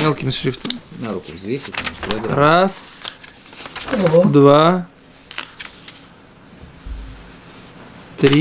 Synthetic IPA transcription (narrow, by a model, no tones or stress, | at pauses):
mʲelˠkʲɪmʲɪʂɾʲift̪əmʲɪnaɾukʊ̰vzvʲesʲɪt̪ʲamɾod̪ɾas | d̪va | t̪ɾʲi